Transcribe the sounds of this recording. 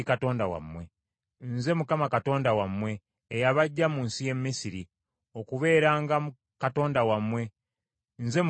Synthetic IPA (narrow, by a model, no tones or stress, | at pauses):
ikato̞ːndawa̰mwe̞ | nze̞mukamakato̞ːndawamwe̞ː | jaβaɟːamuːnsije̞mːisiɾi | okuβe̞ːɾaːŋɡa | kato̞ːndawamwe̞ | nze̞m